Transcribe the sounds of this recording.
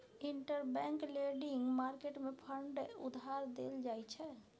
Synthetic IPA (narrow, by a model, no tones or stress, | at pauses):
iɳʈəɾbɛ̃ŋkleɖiŋɡmaɾkeʈmepʰəɳɖud̪ʱɦaɾd̪ḛld͡ʒajt͡ʃʰɛ